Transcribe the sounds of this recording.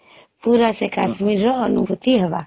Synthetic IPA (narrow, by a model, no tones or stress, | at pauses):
puːɾasekaːʃmiɾːɔənṵbʱut̪iɦəʋa